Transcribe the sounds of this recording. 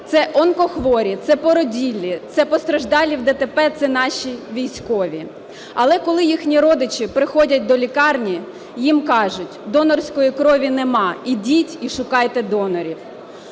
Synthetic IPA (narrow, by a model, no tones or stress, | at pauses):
t̪sɛʔɔnkɔxʋɔɾʲit̪sɛpɔɾɔdʲilʲːit̪sɛpɔst̪ɾɐʒd̪ɑlʲːiwd̪ɛt̪epɛt̪sɛnɑʃʲiʋʲijsʲkɔʋʲi | ɐlˠɛkɔlˠɪjixnʲiɾɔd̪ɪt͡ʃipɾɪxɔdʲɐt̚ʲd̪ɔlʲikɑrnʲi | jimkɑʒʊtʲd̪ɔnɔrsʲkɔjikɾɔʋʲinemɑidʲitʲiʃʊkɑjt̪ɛd̪ɔnɔɾʲiw